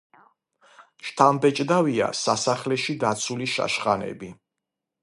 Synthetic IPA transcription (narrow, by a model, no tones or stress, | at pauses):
ʃt̪ʰambɛt͡ʃʼd̪avia̰sasaχlɛʃid̪at̪sʰuliʃa̰ʃχanɛ̰bi